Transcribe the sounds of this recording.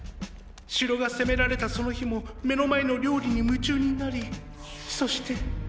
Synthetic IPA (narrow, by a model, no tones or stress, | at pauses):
ɕiɾo̞ɡase̞me̞ɾaɾe̞t̪aso̞no̞çimo̞me̞no̞mae̞no̞ɾʲo̞ːɾʲiɲ̟imɯ̟t͡ɕɨːɲ̟inaɾʲi | so̞ɕi̥t̪e̞